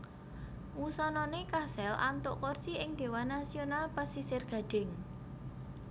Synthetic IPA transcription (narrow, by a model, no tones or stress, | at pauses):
wusɔnɔnekasɛlʔa̰nt̪ʊʔkort͡ʃiɪŋd̪̥e̤wanasionalpasisɪrɡ̥ä̤ɖ̥ɪ̤ŋ